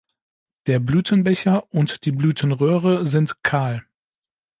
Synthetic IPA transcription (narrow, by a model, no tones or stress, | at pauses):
d̥eːɐblyːtʰənbɛçɐʔʊntd̥iːblyːtʰənʁøːʁəzɪntkʰaːl